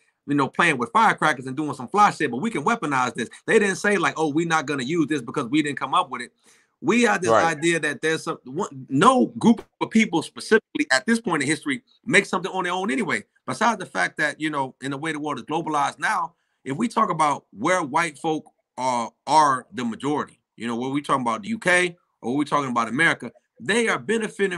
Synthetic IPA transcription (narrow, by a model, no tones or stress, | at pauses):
jɨnoʊpʰl̥eɪɪ̃ŋwəð̥faɪə˞kʰɹ̥ækɨsɨ̃nduɪ̃ŋsʌ̃ɱflæʃɛt̚b̥ʌt̚wikɨ̃nwɛpənaɪzðɪsðeɪɾɪdⁿn̩tseɪlaɪkoʊwinət̚ɡ̥ʌnɨjʉzðɪsb̥ɨkʰʌzwidɪdⁿn̩kʰʌ̃mʌp̚wɨðɨt̚ | wiɨd̪̚ðɪsaɪdiɨðɨt̪̚ðə˞z̥sʌ̃mwʌnoʊɡɹupʌv̥pʰipl̩ˠspɨsɪfɪkliʔɨt̪̚ðɪspʰɔ̃ɪ̃ɾtʌvhɪstɹ̥i | meɪksʌ̃mθɪ̃ŋə̃nðə˞õʊ̃nɛniweɪ | b̥əsaɪdzðɨfæk̚ðɨt̚jɨnoʊɨ̃nðəweɪɾɨwɑ̃tɨɡloʊbəlaɪznaʊ | ɨfwitʰɔkəbaʊt̚wə˞waɪtfoʊk | əə˞ðɨmɨd͡ʒɔɹɨɾḭ | jɨnoʊwə˞witʰɔkɪ̃ŋəbaʊt̪̚ðɨjʉkʰeɪ | ʔə̰wə˞witʰɔkɪ̃ŋəbaʊɾɨmɛɹɨkɨ | ðeɪə˞bɛnɨfɨɾɪ̃